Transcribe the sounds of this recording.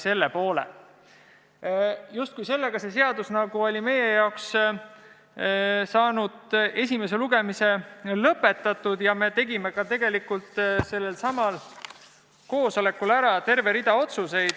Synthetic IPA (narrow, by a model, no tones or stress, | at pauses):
se̞lːepo̞ːlḛ | just̪̚kujse̞lːeɡ̥ɑse̞se̞ɑd̪usnɑɡ̥uo̞lʲime̞je̞jɑoks | sɑːnud̪̥e̞s̬ʲimes̬e̞luɡ̥e̞mise̞lɤpːˑe̞t̪ːˑɑt̪ːˑud̪̥jɑme̞t̪e̞ɡime̞kɑt̪e̞ɡe̞likult̪ˑse̞lːelsɑmɑl | ko̞ːso̞le̞kulæɾɑt̪e̞rve̞ɾid̪̥ɑo̞t̪suse̞jd̪̥